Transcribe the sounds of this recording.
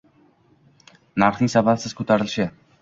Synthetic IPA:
naɾχnɪŋsabapsɪz̥kʲʰɵt̪ʰaɾɪlʃɪ

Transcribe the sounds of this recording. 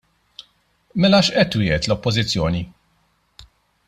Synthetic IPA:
mɛlɐʃʔɛt̪ːwɪːhɛt̪lɔpːɔzɪt͡sːjɔːni

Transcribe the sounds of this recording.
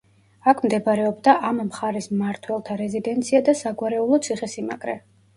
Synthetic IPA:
akʰmd̪ɛbɾɛɔbd̪aʔammχaɾɛsmaɾt̪ʰwɛlˠt̪ʰaɾɛzid̪ɛnt̪sʰiad̪asaɡwaɾɛulˠɔt̪sʰiχɛsima̰ɡɾɛ

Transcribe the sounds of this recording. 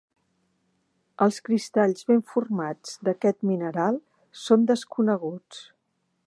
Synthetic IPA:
əlˠskɾist̪aʎzβeɱfurmad͡zd̪əkɛt̪minəɾalˠ | sond̪əskunəɣ̞ut͡s

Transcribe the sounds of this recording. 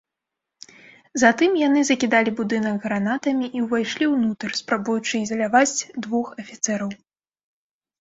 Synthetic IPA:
zat̪ɨmjan̪ɨzɐkʲid̪alʲibud̪ɨnɐkɣɾanat̪ɐmʲiʔiwvajʂlʲiwnut̪ɐrspɾabujut͡ʂɨizɐlʲavad͡zʲd̪vɔxɐfʲit̪sɛɾɐw

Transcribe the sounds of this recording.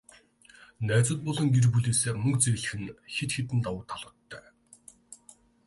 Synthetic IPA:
næːt͡sə̆t̪̚pɔɮɞ̆ŋɡerpuɮeːseːmɵkt͡seɣɮɘ̆xɘ̆nxet̪xet̪ɘ̆nt̪awʊːt̪ʰaɮʊ̆ːt̪ʰːœː

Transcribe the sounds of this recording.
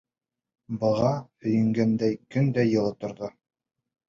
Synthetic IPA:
bɤ̆ʁɑhɵ̆jɘ̆ŋɡænd̪æjkɵnd̪æjɤ̆lˠɤt̪ŏɾðo

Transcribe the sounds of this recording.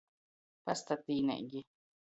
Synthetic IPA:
past̪at̪iːnɛ̰ʔɡi

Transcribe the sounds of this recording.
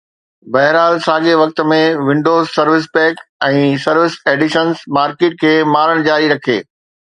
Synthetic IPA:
bɐɦɾaːlsaːɠeʋɐk̚t̪mẽʋɪ̃ɳɖoːzsɐɾʋɪs̬pɛːkɛ̃ːsɐɾʋɪseːɖɪʃənsmaːɾkeːʈ̚kʰeːmaːɾəɽ̃d͡ʑaːɾiɾɐkʰḛː

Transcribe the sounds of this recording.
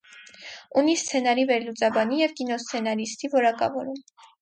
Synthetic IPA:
unist͡sʰɛnɑɾivɛɾlut͡sɑbɑnijɛvkinɔst͡sʰɛnɑɾist̪ivɔɾɑkɑ̰vɔɾum

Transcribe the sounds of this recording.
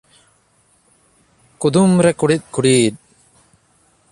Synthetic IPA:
kud̪umɾɛkuɽit̪̚kuɽiːd̪̚

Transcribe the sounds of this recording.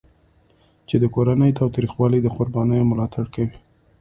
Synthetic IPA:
t͡ʃed̪əkoɾanəjt̪ɑwt̪ɾixwɑlid̪əqʊɾbɑnəjomʊlɑt̪ʰaɽkawi

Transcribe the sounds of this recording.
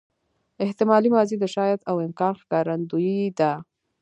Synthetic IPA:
ɪht̪ɪmɑlimɑzid̪əʃɑjat̪awɪmkɑnxkɑɾand̪ujid̪a

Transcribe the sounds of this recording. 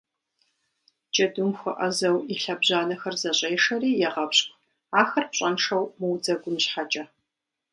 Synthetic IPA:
t͡ʃʼɐdʊmxʷɐʔɐ̰zɐwiɬɐbʑaːnɐxɐrzɐɕʼejʂɐriːjɛʁɐpɕkʷʰʼ | aːxɐrpɕʼɐnʂɐwmɨwd͡zɐɡʷʊmɕħat͡ʃʼɐ

